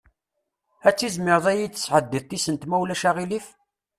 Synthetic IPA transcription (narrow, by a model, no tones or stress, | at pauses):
æt͡sːizmɪɾðˤæjit͡sːə̥sːʕəd̪ːiðt̪ˤːisənt̪mæwlæʃæʁilif